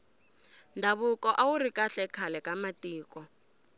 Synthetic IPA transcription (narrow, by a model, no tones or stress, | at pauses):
ndʱaβukɔʔawurikʼaɬɛkʰalɛkamatiːkɔ